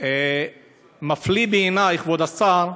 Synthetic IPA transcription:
e | maflibeːnajχvod̪asaɾ

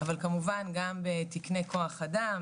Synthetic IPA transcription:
avalkamuvanɡambet̪ikne̞ko̞aχadam

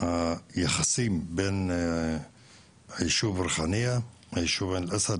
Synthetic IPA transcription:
jəxsiːmbin | ʕəʃuːbɾˤxanəja | ʕʃubanəlʔæsæd̪

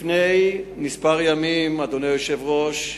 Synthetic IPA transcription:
nejnispaʁjamimad̪onejoʃevʁo̞ʃ

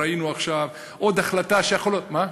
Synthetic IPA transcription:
ainuaχʃav | ʔo̞d̪aχlat̪aʃejaχoloma

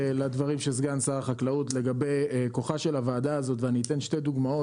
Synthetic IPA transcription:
lad̪vaʁimʃezɡansaʁaχaklautle̞ɡabe̞jko̞χaʃe̞lavaːdaːzo̞t̪veaniːt̪e̞nʃted̪uɡmao

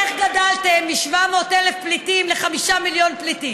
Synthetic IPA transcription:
eχɡadaltemːiʃvamo̞ːtelefplitimleχamiʃamiljo̞npliti

